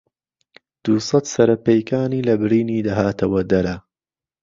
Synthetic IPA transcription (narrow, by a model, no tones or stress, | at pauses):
d̪̥usˤɑt̪sɐɾɐpejkaːniːlɐbɪɾiːniːd̪ɐɦaːt̪ʰɐwɐd̪ɐɾɐ